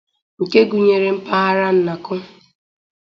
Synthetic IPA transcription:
ŋ̩˨ke˦ɡu˨ɲe˨ɾe˨m̩˦pa˦ɦa˦ɾa˦n̩˦na˨kʊ˦

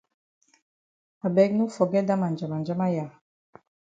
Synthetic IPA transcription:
a˨bɛ˦knu˦fɔ˨ɡɛ˦da˦ma˨nd͡ʒa˨ma˨nd͡ʒa˦ma˦ja˨

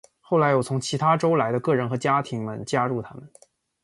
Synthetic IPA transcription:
xo˥˩ʊla˧˥ɪjo˨˩t͡sʰʊ˧˥ŋt͡ɕʰi˧˥t̪ʰa˥ʈ͡ʂo˥ʊla˧˥ɪd̪ə˧kɤ˥˩ɻə˧˥nxɤ˧˥t͡ɕja˥t̪ʰi˧˥ŋmə̰˧nt͡ɕja˥ɻu˥˩t̪ʰa˥mə˨n

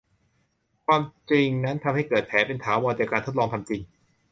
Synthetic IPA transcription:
kʰwaː˧mt͡ɕi˧ŋna˦˥nt̪ʰa˧mha˥˩jkɤː˨˩t̪̚pʰɛː˩˦pe˧nt̪ʰaː˩˦wɔː˧nt͡ɕaː˨˩kaː˧nt̪ʰo˦˥t̪̚lɔː˧ŋt̪ʰa˧mt͡ɕi˧ŋ

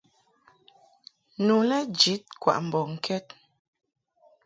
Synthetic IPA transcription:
nu˨lɛ˦d͡ʒi˨˦t̚kwa̰˨ʔm̩˨bɔ˨ŋ̩˨kʰɛ˦t̚

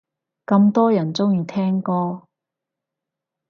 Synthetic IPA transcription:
kɐ˧mt̪ɔː˥jɐ˨˩nt͡sʊ˥ŋjyː˨˧t̪ʰɛː˥ŋkɔː˧

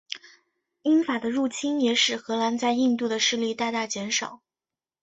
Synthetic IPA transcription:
i˥nfa˨˩d̪ə˦ɻu˥˩t͡ɕʰi˥njɛ˨˧˥ʂɻ̩˨˩xɤ˧˥la˧˥nt͡sa˥˧ɪi˥˧nt̪u˥˩d̪ə˩ʂɻ̩˥˧li˥˧t̪a˥˧t̪a˥˩t͡ɕjɛ˧˥nʂɑ˨˩˦ʊ

